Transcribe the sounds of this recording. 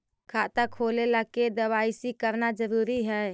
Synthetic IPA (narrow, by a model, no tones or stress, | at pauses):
kʰat̪akʰolelaked̪əbaisikəɾnad͡ʒəɾuɾiɦɛ